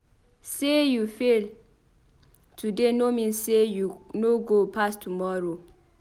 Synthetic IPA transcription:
sejufil | tʰudenomĩnsejunoɡopʰastʰumɔɹo

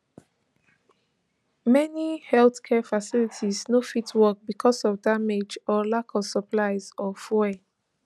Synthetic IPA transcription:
mɛnihɛlθkʰɛfasilitʰiznofitʰwɔk̚bikʰɔsɔvdamed͡ʒɔlakʰɔsəplaɪzɔfɛ

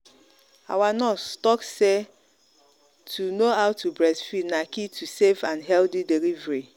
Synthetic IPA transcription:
a̰wanɔstɔkse | tʰunoaʊtʰubɾɛsfidnakitʰusevãnɦɛldidelivɾi

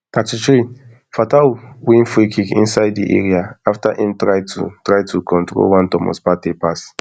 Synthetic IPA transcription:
katit͡ʃɾi | fatawĩnfikikḭ̃nsajddḭʔḛɹiaaftahĩmtɹajtṵtɹaɪtʰukʰɔ̃ntɹo̰lwãntɔmɔ̰spatepas

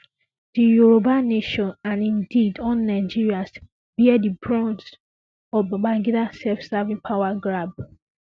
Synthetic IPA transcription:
d̥ijuɹobanːeʃɔ̃nãnĩndidɔ̃nːaɪd͡ʒiɹias | b̥iɛdibɹɔ̃nt | ɔbaɡ͡baɡidasɛlfsavĩŋpʰawaɡɹab̚

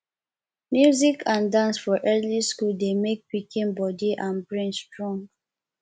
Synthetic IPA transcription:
mjuzikʰãndãnsfɔʔɛliskuldemek̚pikĩnbɔdiʔãnbɹɛ̃nstɹɔ̃ŋɡ

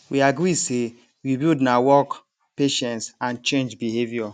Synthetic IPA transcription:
wiaɡɾise | wibildnawɔk | peʃɛ̃ntsãnt͡ʃẽnd͡ʒbiɦevjɔ

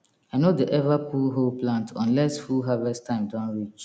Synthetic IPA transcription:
aɪnodeʔɛvapʰulɦoplãntʰɔ̰̃nlɛsfuɦavɛstʰãɪ̃mdãnɹit͡ʃ

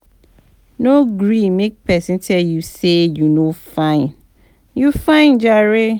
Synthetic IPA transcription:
noɡɹimek̚pʰɛsĩntʰɛjusejunofãɪ̃n | jufãɪ̃nd͡ʒaɹe

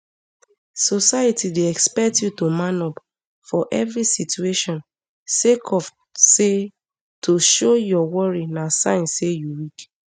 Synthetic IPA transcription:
sɔsajatideɛkspɛk̚tjutomãnɔp | fɔʔɛvɹisitueʃɔ̃n | sekʰɔf | se | tʰoʃojɔwɔɹinasãɪ̃nsːejuwik

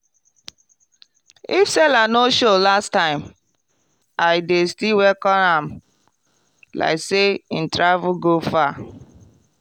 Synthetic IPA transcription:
ifsɛlanoʃolastãɪ̃m | aɪdestiwɛkɔ̃nãm | la̰ɪkseĩn̩tɹavuɡofa

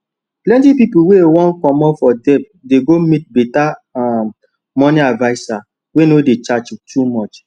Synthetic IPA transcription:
plɛ̃ntipipuwewɔ̃nkɔ̃mɔpfɔdɛp̚ | deɡomit̚bɛtaa | mɔniadvaɪsa | wenodet͡ʃat͡ʃtʰumɔt͡ʃ

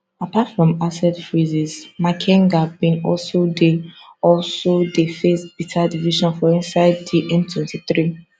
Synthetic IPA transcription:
apatfɹɔ̃masɛtfɹizizmakʰɛ̃ŋɡabĩnɔ̰lsode | ɔlsodefesb̥itʰadiviʃɔ̃nfɔĩnsaɪddiʔɛ̃ntʰwɛ̃ntiθɹi

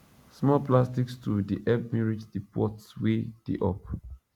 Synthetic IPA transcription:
smɔplastikstudiʔɛbmiɹid͡ʒdipʰɔtswed̥ḛʔɔp

